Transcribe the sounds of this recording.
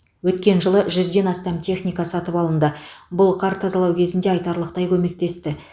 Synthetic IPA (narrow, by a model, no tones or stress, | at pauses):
wɵt̪kʲe̞nʒəlˠəʒʏzd̪e̞nɑst̪ɑmt̪ʰe̞χnijkɑsɑt̪əpɑlˠənd̪əbʊlˠqʰɑɾt̪ʰɑzɑlˠɑwkʲʰe̞zɪnd̪e̞ɑjt̪ɑɾlˠəq̚t̪ɑjkʲʰɵme̞k̚t̪e̞st̪ɪ